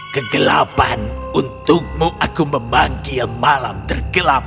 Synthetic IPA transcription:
kəɡəla̰panunt̪ʊk̚muʔakuməmbaŋkilmalamt̪ərɡ̥əlap̚

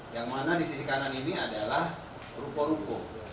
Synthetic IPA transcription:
jaŋmanadisisikananiniadalah | rukɔɾukɔ

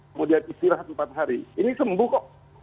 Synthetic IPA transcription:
mudianist̪ilahəmpat̪̚ɦaɾiːnisəmbukɔʔ

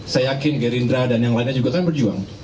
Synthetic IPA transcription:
sajajakɪnɡɛɾindɾadanjaŋlaɪnɲad͡ʒuɡat̪aanbərd͡ʒuaŋ

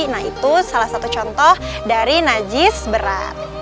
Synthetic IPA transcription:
nait̪usalahsat̪ut͡ʃɔnt̪ɔhdaɾinad͡ʒɪsbəɾa̰t̪̚

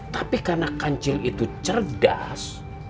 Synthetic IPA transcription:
t̪apikarnakaɲt͡ʃɪlit̪ut͡ʃərda̰s

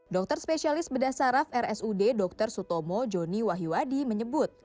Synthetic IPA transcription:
dɔk̚t̪ərspesialɪsbədasaɾafɛrɛsudedɔk̚t̪ərsut̪omɔd͡ʒoniwaɦiwadiməɲəbʊt̪̚

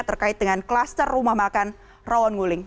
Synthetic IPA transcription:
t̪ərkaɪt̪̚dəŋanklast̪ərːumahmakan | rawɔnŋulɪŋ

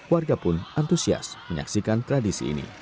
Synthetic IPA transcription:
kuarɡapʊnant̪usia̰sməɲa̰ksikant̪ɾadisḭːnḭ

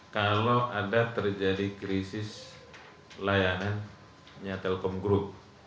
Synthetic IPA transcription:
kaloʔadat̪ərd͡ʒadikɾisɪs | lajanan | ɲat̪ɛlkɔmɡɾup̚

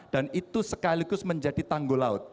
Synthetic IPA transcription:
d̥anit̪usəkaliɡʊsməɲd͡ʒadit̪aŋɡolaʊt̪̚

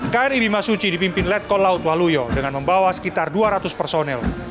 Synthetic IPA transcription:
kaɛribimasut͡ʃidipimpɪnlɛt̪̚kɔlaʊt̪̚wahlujɔdəŋanməmbawasə̥kit̪arduaɾat̪ʊspərsonɛl

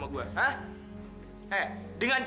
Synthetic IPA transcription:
maɡuaɦã | ɛdəŋant͡ʃ

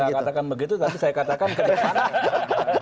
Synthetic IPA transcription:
akat̪akanbəɡit̪̬ut̪apisajakat̪akankədaa

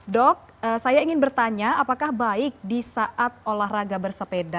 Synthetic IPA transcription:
dɔk̚ | əsajaiŋɪnbərt̪aɲaapakahbaɪk̚disaʔat̪̚olahraɡabərsəpeda

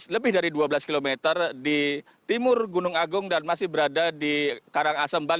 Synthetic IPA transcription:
ləbɪhdaɾiduabəlaskilomet̪ərdi | t̪imʊrɡunʊŋaɡʊŋdanmasɪhbəɾadadikaɾaŋasəmbal

